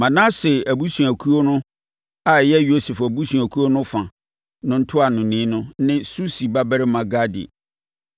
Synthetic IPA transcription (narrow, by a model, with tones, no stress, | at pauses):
mã˨nã˦sɪ˨æ˨bu˦sũ˨æ˨kʰu˦o˦nʊ̃˦ | a˨jɛ˦jo˦sɛ˨fæ˨bu˦sũ˨æ˨kʰu˦o˦nʊ̃˦fã˨ | nʊ̃˦n̩˦tʰʊ˦a˨nʊ̃˨nĩː˦nʊ̃˦nɪ̃˦su˦si˨ba˦bɛ˦ɾɪ˦mã˨ɡa˦dḭ˨